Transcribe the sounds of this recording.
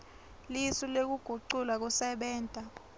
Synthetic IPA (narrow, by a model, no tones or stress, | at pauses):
lisilek̬uɡ̥ʱuǀulak̬usɛɓɛːntʼa